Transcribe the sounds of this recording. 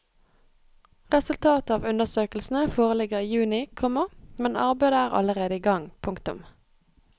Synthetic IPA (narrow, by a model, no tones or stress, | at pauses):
ʁɛsʉlt̪ʰɑːt̪ɑːʋʉnəsøːkəlsn̩əfoːʁəlɪɡəʁiːjʉːnɪkʰɔməʁmɛnɑ̰ʁbæɪd̪əæːʁɑ̰ləʁeːd̪əiːɡɑŋpʰʊŋkt̪ʊ̰m